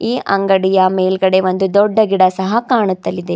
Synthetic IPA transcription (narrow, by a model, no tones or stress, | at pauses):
iːʔɐŋɡɐɽijɐmeːlɡɐɽe̞ʋond̪ud̪ɔɖːɐɡiɽɐsɐɦɐkaːɳut̪ːɐlːid̪e